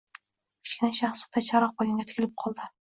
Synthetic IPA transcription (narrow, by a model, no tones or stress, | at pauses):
kʲʰɪ̥t͡ʃkʲɪnaʃaχsɒ̥t̪ːat͡ʃʰaɾɒq̚bɒɡʲanŋɡʲat̪ʰɪ̥kʲɪlɪp̚qʰɒlˠd̪ɪ